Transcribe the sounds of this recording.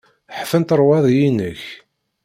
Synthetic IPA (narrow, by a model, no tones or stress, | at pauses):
ħfənt̪əɾˤwɑðˤjinəç